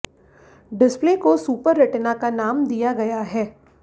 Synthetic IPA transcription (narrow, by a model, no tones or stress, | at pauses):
ɖɪsplekosuːpəɾːɐʈnakanaːmd̪ijaɡɐjaɦɛː